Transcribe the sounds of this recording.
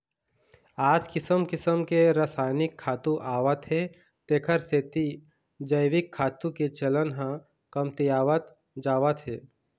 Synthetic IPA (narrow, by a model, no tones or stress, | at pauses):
aːd͡ʒkɪsəmkɪsəmkeɾəːsaːɪnɪkʰːaːt̪uʔaːʋət̪ɦe | t̪eːkʰəɾseːt̪i | d͡ʒəɪʋɪkʰːaːt̪ũket͡ʃɐlənɦã | kɐmt̪ijaːʋət̪ | d͡ʒaːʋət̪ɦeː